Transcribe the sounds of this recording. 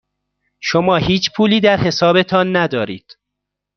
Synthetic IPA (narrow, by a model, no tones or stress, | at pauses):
ʃomɒːhiːt͡ʃʰpʰuːliːd̪æɾhe̞sɒːbe̞t̪ʰɒːnːæd̪ɒːɾiːd̪̥